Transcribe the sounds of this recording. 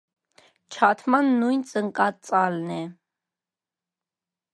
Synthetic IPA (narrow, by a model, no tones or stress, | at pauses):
t͡ʃʰɑt̪ʰmɑnːujnt͡sʼəŋkʼɑt͡sʼɑlnɛ